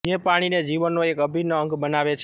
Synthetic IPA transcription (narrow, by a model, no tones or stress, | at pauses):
d͡ʒepaɽ̃ined͡ʒiʋənːoekəbʱinəəŋɡbənaʋet͡ʃʰ